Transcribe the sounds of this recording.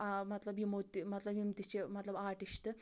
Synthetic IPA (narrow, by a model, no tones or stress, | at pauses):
amɐt̪lɐbjimot̪ːimɐt̪lɐbjimt̪it͡ɕemɐt̪lɐbaːʈiʃʈɨ